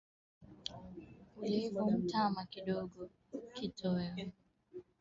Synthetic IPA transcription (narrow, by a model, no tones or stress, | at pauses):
ulekɔm̩tamakidɔɡɔ | kitʰɔjɔ